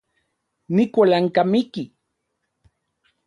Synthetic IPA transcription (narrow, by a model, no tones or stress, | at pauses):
nikʷalaŋkamiki